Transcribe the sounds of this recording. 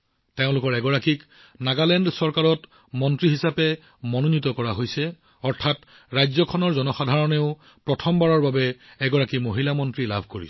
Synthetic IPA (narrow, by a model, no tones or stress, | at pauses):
teʊ̃lʊkɔɹɛɡɔɹakik | naɡalɛndsɔɹkaɹɔt | mɔntɹiɦisapɛ | mɔnonitɔkɔɹaɦojsɛ | ɔɹtʰat | ɹajzɔkʰɔnɔɹzɔnɔxadʱaɹɔneʊ | pɹɔtʰɔmbaɹɔɹbabɛɛɡɔɹakimoɦilamɔntɹila̰bʱkoɹḭs